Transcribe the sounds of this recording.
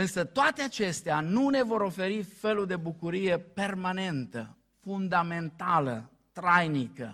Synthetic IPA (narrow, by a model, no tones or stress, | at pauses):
ɨnsət̪oat̪eat͡ʃe̞st̪eanune̞vo̞ɾo̞fe̞ɾife̞luld̪e̞bukuɾije̞pe̞rmane̞nt̪ə̰ | fund̪ame̞nt̪alə̰ | t̪ɾajnikə̰